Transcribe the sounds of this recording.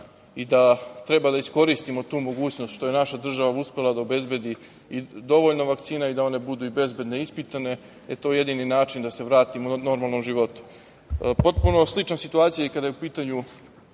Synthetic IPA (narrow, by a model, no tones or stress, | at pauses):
id̪at̪ɾe̞bad̪aisko̞ɾist̪imo̞t̪uːmo̞ɡuːt͡ɕnost̪ʃt̪o̞je̞naʃad̪r̩ʒaʋauspe̞lad̪aobe̞zbe̞d̪i | id̪o̞ʋoʎnoʋakt̪siːnaid̪ao̞ne̞bud̪uibe̞zbe̞d̪neispit̪ane̞ | et̪o̞ːje̞d̪ininaːt͡ʃind̪ase̞ʋɾaːt̪imono̞ɾmalˠno̞mʒiʋo̞t̪u̥ | po̞t̪̚puno̞slit͡ʃansit̪uaːt̪sijajikad̪ajupiːt̪aɲu